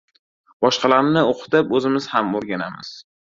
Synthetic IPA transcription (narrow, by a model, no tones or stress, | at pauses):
bɒʃqʰɑlaɾnɪoqʰʊ̥t̪ɪpɵzɪmɪz̥hamoɾɡʲanamɪ̰z̥